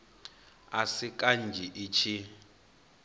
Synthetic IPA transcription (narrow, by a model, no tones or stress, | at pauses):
asikʼand͡ʒʱiʔit͡ʃʰi